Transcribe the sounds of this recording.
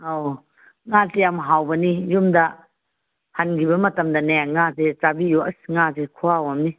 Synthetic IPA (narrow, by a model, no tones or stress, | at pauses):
o | ŋazeamɦawbɐnijumdɐ | hanɡibɐmɐtɐmdɐnaaŋazet͡ʃabijoɐsŋazekʰuawamni